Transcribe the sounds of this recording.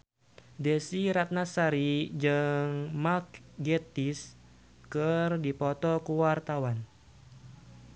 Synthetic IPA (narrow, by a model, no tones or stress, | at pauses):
dɛsiɾat̪̚nasaɾid͡ʒɨŋmak̚ɡɛt̪is | kɨrdipɔt̪ɔkuwart̪awan